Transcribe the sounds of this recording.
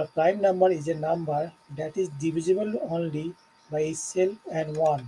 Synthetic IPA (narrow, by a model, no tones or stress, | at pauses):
əpɾãɪ̃mnʌ̃mbəɾizenʌ̃mbəɾ | d̪æʈizɖiʋizebəlõnli | baɪiselfɛ̃ɳɖwʌ̃n